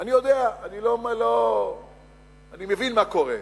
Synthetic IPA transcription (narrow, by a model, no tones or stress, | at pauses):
anijod̪eaanilomelo | animevinmakoʁḛ